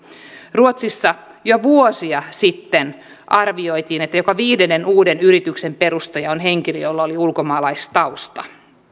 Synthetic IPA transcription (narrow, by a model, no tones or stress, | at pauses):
ruot̪sisːɑ | joʋuosiɑsit̪ːen | ʔɑrʋio̞jt̪iːnet̪ːæjokɑʋiːde̞nːenuːde̞nyɾit̪ykse̞mpe̞ɾust̪ɑjɑonɦe̞ŋkilijolːɑoliulko̞mɑːlɑist̪ɑust̪ɑ